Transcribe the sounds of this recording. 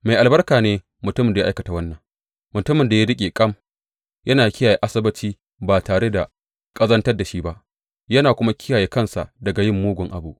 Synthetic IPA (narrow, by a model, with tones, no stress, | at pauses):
ma˨jʔa˨lbɐ˦rkaː˨neː˦ | mʊ˨tʊ˦mɪ˨nda˨a˦ʔa˦kɐ˨ta˨wɐ˦nːɐ˨ŋ | mʊ˨tʊ˦mɪ˨nda˨ja˦dɪ˦kʲʼeː˨kʼɐ˦˨m | jɐ˦naː˨kʲɪ˦jaː˨je˦ʔa˦sɪ˦bɐ˦t͡ʃiː˦ | baː˨taː˨ɽe˦da˨ | kʼɐ˦zɐ˦ntɐ˦rda˨ʃiː˦ba˦ʔ | jɐ˦naː˨kʷʊ˦ma˦kʲɪ˦jaː˨jeː˦kɐ˦˨nsa̰˨dɐ˨ɡa˨jɪ˦˨mːuː˦ɡʷʊ˨ŋʔa̰˨bu˦ʔ